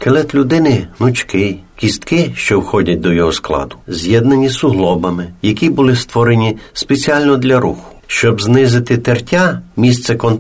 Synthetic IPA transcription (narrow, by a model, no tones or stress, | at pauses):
kelˠɛt̪lʲʊd̪ɪnɪnʊt͡ʃkɪjkʲist̪kɪʃt͡ʃɔwxɔdʲɐt̚ʲd̪ɔjɔɦɔsklˠɑ̰d̪ʊ̥zʲjɛd̪nɐnʲisʊɦlˠɔbɐmɪjɐkʲibʊlˠɪst̪ʋɔɾenʲispet͡sʲiɑlʲnɔd̪lʲɐɾuxʊ̥ʃt͡ʃɔbznɪzɪt̪ɪt̪ertʲamʲist̪sɛkɔn